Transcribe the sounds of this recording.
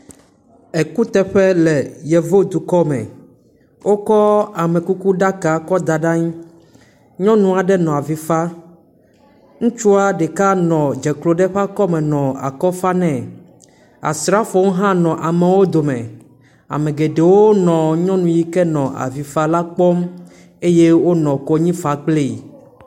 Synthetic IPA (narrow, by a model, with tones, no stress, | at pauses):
ɛ˨ku˦t̪ɛ˦ɸɛ˦lɛ˨jɛ˨vo˦d̪u˨kɔ˦mɛ̰̃˨ | wʔo˦kɔ˦a˨mɛ̃˨ku˦ku˦ɖa˦ka˨kɔ˦d̪a˨ɖa˦ɲ˦ | ɲɔ̃˦nũ˦a˨ɖɛ˦nɔ̃˨a˨vi˨fa˦ | ŋũ˦t͡ʃu˦a˦ɖɛ˨ka˦nɔ̃˨d͡ʒɛ˨klo˨ɖɛ˦ɸa˦kɔ˦mɛ̃˨nɔ̃˨a̰˨kɔ˦fa˦nɛ̃˦ | a̰˨sɾa˦fo˨˦wɦã˦nɔ̃˨ʔa˨me˨wo˦d̪o˨mɛ̃˨ | a̰˨mẽ˨ɡe˨ɖe˨wo˦nɔ̃˨ɲɔ̃˦nũ˨ji˦kɛ˦nɔ̃˨ʔa̰˨vi˨fa˦la˦k͡pɔ˦m | e˦je˦wo˦nɔ̃˨kɔ˦ɲĩ˦fa˨k͡ple˦˨